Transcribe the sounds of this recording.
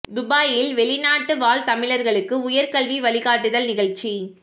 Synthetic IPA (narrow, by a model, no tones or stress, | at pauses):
d̪ʊbaːjɪlʋɛɭɪnaːʈːɯʋaːlt̪ɐmɪɭɐɾɣɐɭɯkːɯʊjɐɾkɐɭʋiʋɐɭɪɣaːʈːɯðɐlnɪɣɐɭt͡ʃi